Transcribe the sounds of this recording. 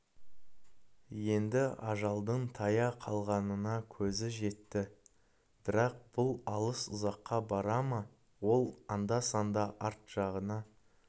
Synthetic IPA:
je̞nd̪ɪɑʒɑlˠd̪əɴt̪ʰɑjɑqʰɑlˠʁɑnənɑkʲʰɵzɪʒe̞t̪ːɪ | b̥ɪɾɑq̚b̥ʊlˠɑlˠəsʊzɑqːɑbɑɾɑmɑ | wo̞lˠɑnd̪ɑsɑnd̪ɑʔɑɾt̪ʒ̥ɑʁənɑ

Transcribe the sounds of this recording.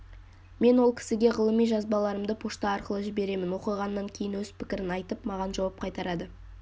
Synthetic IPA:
me̞nwo̞lˠkʲʰɪ̥sɪɡʲe̞ʁəlˠəmijʒɑzbɑlˠɑɾəmd̪əpʰoʃt̪ɑːɾqəlˠəʒɪbe̞ɾe̞mɪnwo̞qəjʁɑnːɑŋkʲʰejɪnwɵz̥pʰɪkʲɪɾɪnɑjt̪əpmɑʁɑnʒɑwɑp̚qʰɑjt̪ɑɾɑd̪ə

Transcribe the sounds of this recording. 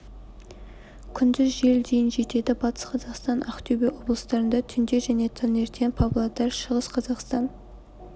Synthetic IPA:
kʲʰʏnd̪ɪzʒe̞ld̪ejɪnʒe̞t̪e̞d̪ɪbɑt̪ʰə̥sqʰɑzɑqst̪ɑnʔɑ̰qt̪ʰybewo̞blˠəst̪ɑɾənd̪ɑt̪ʰʏnd̪e̞ʒæne̞t̪ʰɑne̞ɾt̪ʰenpʰɑblˠat̪ɑɾʃəʁəsqʰɑzɑqst̪ɑn

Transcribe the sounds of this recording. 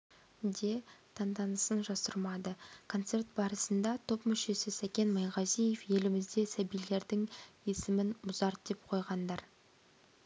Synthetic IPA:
d̪e̞t̪ʰɑnd̪ɑnəsənʒɑsə̰ɾmɑd̪əkʰo̞nt̪se̞ɾt̪̚bɑɾəsənd̪ɑt̪ʰo̞pmʏʃe̞sɪsækʲe̞nmɑjʁɑzijefje̞lɪmɪzd̪e̞sæbijle̞ɾd̪ɪŋesɪmɪnmʊzɑɾt̪̚d̪̥e̞p̚qʰo̞jʁɑnd̪ɑɾ

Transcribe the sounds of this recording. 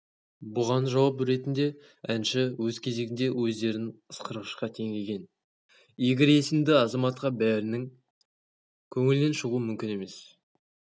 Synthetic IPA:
bʊʁɑnʒɑwɑpɾe̞t̪ɪnd̪e̞ | ænʃɪwɵzkʲʰe̞ze̞ɡʲɪnd̪e̞wɵzd̪e̞ɾɪəsqəɾʁəʃqɑt̪ʰe̞ŋʲe̞kʲe̞n | je̞ɡʲɪɾe̞sɪmd̪ɪɑzɑmɑt̪̚qɑbæɾɪnɪŋ | kʲʰɵŋɪlne̞nʃəʁuəmʏmkʲɪne̞me̞s

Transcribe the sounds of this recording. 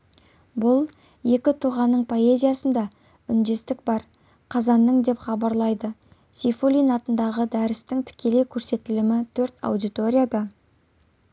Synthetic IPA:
bʊlˠ | je̞kʲɪt̪ʰuʁɑnːəɴpʰo̞e̞zʲijasənd̪ɑ | ʏnd̪e̞st̪ɪk̚bɑɾ | qʰɑzɑnːəɴd̪e̞pχɑbɑɾlˠɑjd̪ə | sifolʲinɑt̪ənd̪ɑʁəd̪æɾɪst̪ɪŋt̪ʰɪ̥kʲe̞le̞jkʲʰɵɾse̞t̪ːɪlɪmɪt̪ʰɵɾt̪ɑ̰wd̪ijt̪o̞ɾʲijad̪ɑ

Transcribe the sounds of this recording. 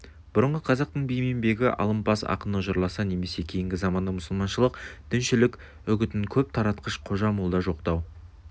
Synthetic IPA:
b̥ʊɾəɴʁəqʰɑzɑq̚t̪əɴbijme̞mbe̞ɡʲɪʔɑ̰lˠəmpɑsɑ̰qənəʒəɾlˠɑsɑne̞me̞se̞kʲʰe̞jɪŋɡʲɪzɑmɑnd̪ɑmʊsəlˠmɑnʃəlˠəqd̪̥ʏnʃɪlɪkʲ | ʏɡʲɪt̪ɪŋkʲʰɵp̚t̪ʰɑɾɑt̪qəʃqʰo̞ʒɑmolˠd̪ɑʒo̞qt̪ɑw

